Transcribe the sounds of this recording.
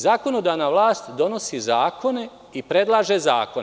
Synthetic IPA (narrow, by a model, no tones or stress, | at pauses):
zaːko̞nod̪aʋnaːʋlˠaːst̪d̪o̞no̞sizaːko̞ne̞ | ipɾe̞d̪lˠaːʒezaːkon